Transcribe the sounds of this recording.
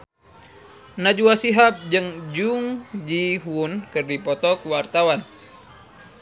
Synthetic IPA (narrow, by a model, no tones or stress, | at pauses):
nad͡ʒuasiɦap̚d͡ʒɨŋd͡ʒuŋd͡ʒiɦunkɨrdipɔt̪ɔkwart̪awan